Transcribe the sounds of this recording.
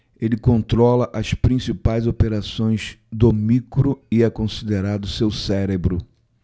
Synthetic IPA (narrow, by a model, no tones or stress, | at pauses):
elɪkõnt̪ɾɔlɐʔɐspɾĩsipajzopeɾasõj̃zd̪omikɾʊɪɛkõsid̪eɾad̪ʊsewsɛɾebɾʊ